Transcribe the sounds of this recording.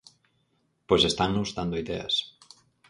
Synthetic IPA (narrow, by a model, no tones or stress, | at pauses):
pojsest̪annuzðand̪oiðea̰s